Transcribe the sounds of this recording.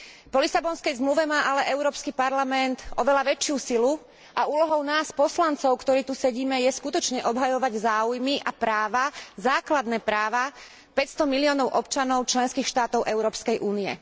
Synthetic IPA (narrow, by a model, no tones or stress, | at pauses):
pɔlisabɔnskɛjzmluʋɛmaːʔalɛʔɛʊɾɔːpskipaɾlamɛnt̪ɔʋɛlaʋɛt͡ʃɪusilu | ʔauːlɔɦɔʊnaːspɔslant͡sɔʊkt̪ɔɾiːt̪usɛɟiːmɛjɛskut̪ɔt͡ʃɲɛʔɔbɦajɔʋaɟzaːujmiʔapɾaːʋazaːklad̪nɛːpɾaːʋa | pɛcst̪ɔmiliɔːnɔʊʔɔpt͡ʃanɔʊt͡ʃlɛnskiːxʃt̪aːt̪ɔʊʔɛʊɾɔːpskɛjʔuːniɛ̰